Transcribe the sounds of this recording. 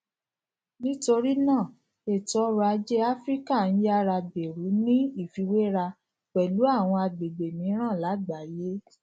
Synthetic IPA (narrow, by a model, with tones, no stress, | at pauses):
nĩ˦to˧ɾi˦nãː˦˨ | e˦˨tɔ˨˦ɾa˧d͡ʒe˦a˦fɾi˦ka˦˨n̩˦ja˦ɾa˧be˨ɾu˨˦nĩ˦i˦˨fi˧˦we˦ɾa˧ | k͡pɛ˨lu˨˦a˦˨w̃ɔ̃˧a˧ɡ͡be˨be˨nĩ˨˦ɾ̃ã˦˨la˨˦ɡ͡ba˨˦je˦